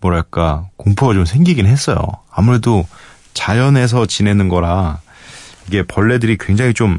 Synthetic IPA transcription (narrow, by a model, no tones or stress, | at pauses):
mwʌɾaɭk͈akoŋpʰoat͡ɕomsʰe̞ŋɡiɡinɦe̞s͈ʌjo̰amuɾe̞do | t͡ɕajʌne̞s̬ʰʌt͡ɕine̞nɯnɡʌɾa | iɡe̞pʌɭːe̞dɯɾikwe̞ŋd͡ʑaŋɦit͡ɕom